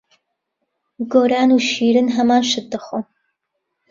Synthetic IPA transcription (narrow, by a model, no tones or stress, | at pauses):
ɡoːɾaːnuːʃiːɾɨnɦɐmaːnʃɨt̪̚d̪ɐχo